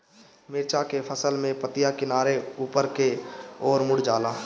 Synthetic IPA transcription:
mɪɾt͡ʃakepʰəsəlmẽpət̪ijakɪnaːɾeuːpəɾkeɔːɾmʊɽ̤d͡ʒaːlaː

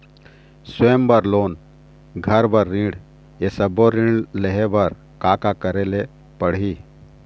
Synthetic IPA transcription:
swembəɾloːn | ɡʱəɾbəɾːĩɽ | esəboɾĩɖleɦebəɾ | kaːkakəɾele | pəɽ̤ɦiː

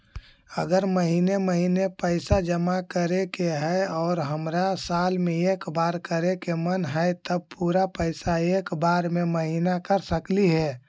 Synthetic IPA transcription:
əɡəɾməɦiːneməɦiːnepəɪsad͡ʒəmakəɾekeɦɛɔːɾɦəmɾasaːlmẽeːkbaːɾkəɾekemənɦɛɪt̪əb̚puːɾapəɪsaeːkbaːɾmẽməɦiːnakəɾsəkliɦɛː

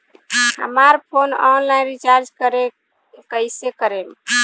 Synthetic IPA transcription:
hə̰maɾpʰonɔnlajnɾit͡ʃaɾd͡ʒkəɾe | kəɪsekəɾem

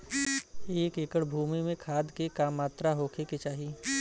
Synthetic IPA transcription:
eːkeːkəɽbʱuːmimẽkʰaːd̪kekaːmːaːt̪ɾaɦoːkʰeket͡ʃaːɦiː

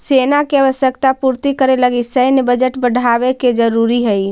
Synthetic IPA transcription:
senakeəʋəsjəkt̪apuɾt̪ikəɾeləɡisəjnebəd͡ʒəʈbəɽʱabeked͡ʒəɾuɾiɦəj

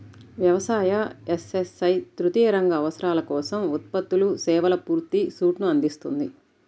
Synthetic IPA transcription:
ʋjɐʋɐsaːjɐesesɐjt̪ɾut̪iːɾɐŋɡɐːʋɐsɐɾaːlɐkɔːsɐmut̪̚pɐt̪ːulusɛːʋɐlɐpuːɾt̪isuːʈnuɐnd̪ist̪und̪i

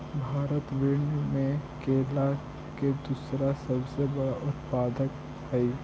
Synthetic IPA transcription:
bʱaːɾət̪ʋeːɳumẽkeːla | ked̪uːsɾasɐbsebɐɽaʔʊt̪paːd̪ək | ɦɛi

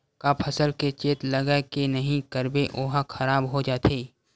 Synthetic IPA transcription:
kapʰɐsəlket͡ʃeːt̪lɐɡakenɐɦĩkəɾbeʔoːɦaxʰɐɾaːbɦod͡ʒaːt̪ʰeː

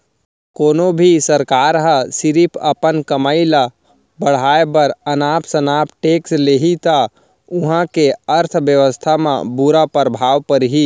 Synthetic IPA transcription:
koːnobʱisəɾkaːɾɦə̃sɪɾipʰəpənkəmaːila | bəɽ̤aːebɐɾənaːpsənaːp̚ʈeːksleːɦit̪a | ʊɦãkeəɾt̪ʰʋjəʋəst̪ʰamã̰buɾapəɾəbʱaːʋpəɾɦiː

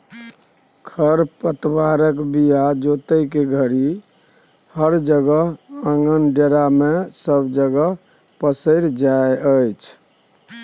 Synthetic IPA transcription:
kʰəɾpət̪baɾəkbijad͡ʒot̪əjkeɡʱəɾi | həɾd͡ʒəɡəɦə̃ŋɡənɖeɾamesəbd͡ʒəɡəɦ | pəsəɪɾd͡ʒaeəjt͡ʃʰ

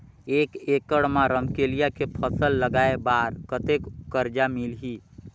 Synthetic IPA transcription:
eːkekəɽmãɾəmkelijakepʰəsəlːəɡaebaɾkət̪ekkəɾd͡ʒamilɦi

